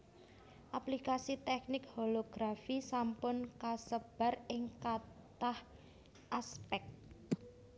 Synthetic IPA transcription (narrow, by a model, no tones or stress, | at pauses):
ʔaplikasit̪ɛk̚nɪkholoɡ̥ɾafisampʊnkasəb̥a̤rɪŋkat̪ah | ʔaspɛk̚t̪